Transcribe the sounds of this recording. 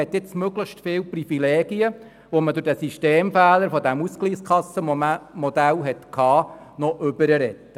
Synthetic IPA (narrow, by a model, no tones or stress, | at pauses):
ɛtɪt͡smøɡləxʃtfɪːlprifileːɡ̥iə | ʋɔmədʊɾdɛsiʃteːmfæːləɾfɔdæmuskliːskʰɑsːəmɔd̥̪ælɦɛtkʰɑː | nɔʔʏbəɾəɾɛt̪ːə